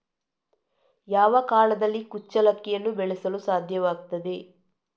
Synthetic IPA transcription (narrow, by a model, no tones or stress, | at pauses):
jaːʋɐkaːlɐd̪ɐlːikut͡ʃːɐlɐkːɛjɐnːubeɭɛsɐlusaːd̪ʱjɐʋaːɡ̚t̪ɐd̪e̞